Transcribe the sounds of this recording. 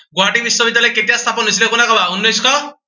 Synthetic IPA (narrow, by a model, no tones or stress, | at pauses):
ɡoɦaʈimisɔbid̪jalɔjket̪ijast̪ʰapɔnːisʰilekunakɔbaunːɔjskɔ